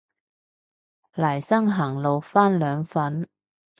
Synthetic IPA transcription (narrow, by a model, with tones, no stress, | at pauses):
lɐː˨˩jsɐ˥ŋɦɐː˨˩ŋlo˨wfaː˥nlœː˨˧ŋfɐ˨˥n